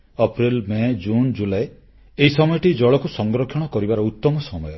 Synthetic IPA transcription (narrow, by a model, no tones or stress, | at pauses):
ɔpɾilmed͡ʒund͡ʒulae | eɦisɔmɔjɔʈid͡ʒɔɭɔkusɔŋɡɾɔkʰːjɔɽ̃ɔkɔɾibaɾɔut̪ːɔmɔsɔmɔjɔ